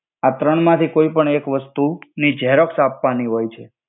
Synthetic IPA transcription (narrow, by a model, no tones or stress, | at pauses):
at̪ɾəɳmãt̪ʰikoipəɳekʋəst̪unid͡ʒɛɦɾəksapʋaniɦojt͡ʃʰe